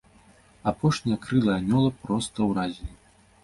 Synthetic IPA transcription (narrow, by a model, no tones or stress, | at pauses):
apɔʂnʲijɐkɾɨlˠɐjɐnʲɔlˠɐpɾɔst̪ɐwɾazʲilʲi